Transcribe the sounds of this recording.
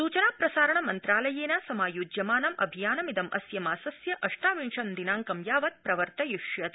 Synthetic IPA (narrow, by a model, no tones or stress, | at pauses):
suːt͡ʃɐnaːpɾɐsaːɾɐɳɐmɐnt̪ɾaːlɐjeːnɐsɐmaːjuːd͡ʒjɐmaːnɐmɐ̰bʱijaːnɐmid̪ɐmʔɐ̰sjɐmaːsɐsjɐʔɐʂʈaːʋiɳʂɐnd̪inaːŋkɐmjaːʋɐt̪̚pɾɐʋɐɾt̪ɐjuʂjɐt̪